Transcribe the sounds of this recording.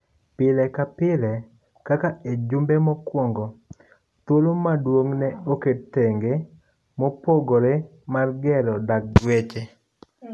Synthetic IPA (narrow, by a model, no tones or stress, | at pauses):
pɪlɛkapɪlɛ | kakaed͡ʒʊmbɛmɔkwɔŋɡɔ | t̪wolomadwoŋnɛoketːeŋɡe | mopoɡoɾe | marɡɛlɔdak̚wet͡ʃe